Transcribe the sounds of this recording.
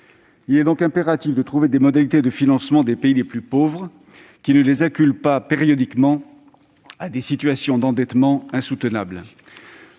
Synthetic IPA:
ilɛd̪ɔ̃kɛ̃peʁat̪ifd̪ət̪χuved̪emɔd̪alit̪ed̪əfinɑ̃smɑ̃d̪epeileplypovʁ | kʲinəlezakʲylpapeʁjɔd̪ikmɑ̃ | ad̪esit̪ɥasjɔ̃d̪ɑ̃d̪ɛt̪mɑ̃ɛ̃sut̪ənabl

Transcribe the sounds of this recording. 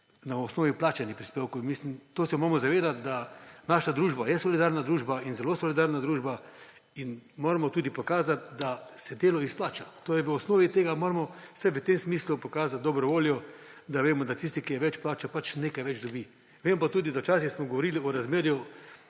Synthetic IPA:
naɔsnoːʋiplaːt͡ʃanipɾispeːwkownmislimt̪oːsɛmoːɾmɔzaʋeːd̪at̪d̪anaːʃad̪ɾuːʒbajɛsɔlid̪aːɾnad̪ɾuːʒbainzɛloːsɔlid̪aːɾnad̪ɾuːʒba | inmoːɾamɔt̪uːd̪ipɔkaːzat̪d̪asɛd̪eːlɔisplaːt͡ʃat̪oːjɛʋəɔsnoːʋit̪eːɡamoːɾmɔsaʋət̪emsmiːslupɔkaːzat̪̚d̪ɔbɾɔʋoːljɔd̪aʋeːmɔd̪at̪is̬t̪ikijɛʋɛt͡ʃplaːt͡ʃapat͡ʃneːkajʋɛd͡ʒd̪ɔbi | ʋempat̪uːd̪id̪awt͡ʃaːsixsmɔɡoʋɔɾiliɔɾazmeːɾju

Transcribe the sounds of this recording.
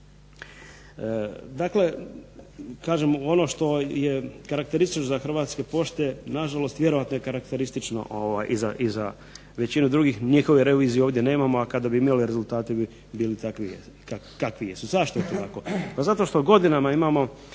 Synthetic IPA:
d̪akle̞ | kaːʒemo̞no̞ʃt̪o̞jekaɾak̚t̪e̞ɾist̪it͡ʃnozaxr̩ʋaːt̪ske̞po̞ʃt̪enaʒalo̞st̪ʋje̞ɾo̞ʋat̪nojekaɾakt̪e̞ɾist̪it͡ʃno̰ʔoʋajʔiza̰ʔiza | ʋe̞t͡ɕinud̪ɾuːɡixɲixo̞ʋeɾeʋiːzijeo̞ːʋd̪ʲje̞ne̞ːmamoakad̪abiimaliɾe̞zulˠt̪aːt̪ib | biːlit̪akʋie | akakʋijesuzaʃt̪oet̪ot̪ako̞pazat̪o̞ʃt̪o̞ɡo̞d̪inamaimamo̞

